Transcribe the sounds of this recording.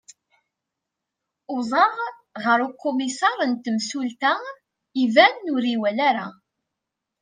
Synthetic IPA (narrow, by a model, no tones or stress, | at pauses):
ʊzˤɑʁ | ʁəɾukːomisɑɾˤənt̪əmsult̪a | ivænːʊɾiwælaɾa